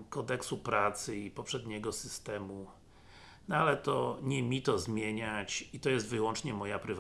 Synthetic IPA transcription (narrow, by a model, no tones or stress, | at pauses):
kɔd̪ɛksupɾat̪sɘipɔpʂɛd̪ɲɛɡɔsɘst̪ɛmu | nalɛt̪ɔɲɛmʲit̪ɔzmʲjeɲat͡ɕit̪ɔjɛs̬t̪vɘwɔnt͡ʂɲɛmɔjapɾɘv